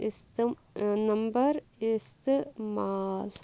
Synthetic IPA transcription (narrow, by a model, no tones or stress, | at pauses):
ɪst̪ | nɐmbɐɾɪst̪emaːl